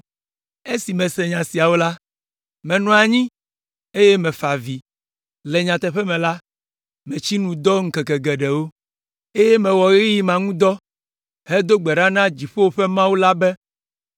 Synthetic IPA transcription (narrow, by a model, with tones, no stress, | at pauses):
e˦si˨mɛ̃˨sɛ˨ɲã˨si˨a˨wo˦la˦ | mɛ̃˨nɔ̃˨a˨ɲĩ˦ | e˦jɛ˦mɛ̃˨fa˨vi˨ | lɛ˨ɲã˨t̪ɛ˨ɸɛ˦mɛ̃˨la˦ | mɛ̃˨t͡ɕi˦nũ˨d̪ɔ˦ŋ̩˦kɛ˨kɛ˨ɡɛ˨ɖɛ˨wo˦ | e˦jɛ˦mɛ̃˨wɔ˨ɣi˦ji˦mã˨ŋũ˦d̪ɔ˦ | ɦe˦d̪o˦ɡ͡bɛ˨ɖa˦nã˦d͡ʑi˨ɸo˦wo˦ɸɛ˦mã˦wu˦la˦bɛ˦